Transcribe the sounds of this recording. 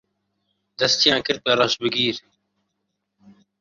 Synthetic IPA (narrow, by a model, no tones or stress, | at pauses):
d̪ɐst̪ijãːkɪɾt̪aːɾaːsbɪɡiːɾ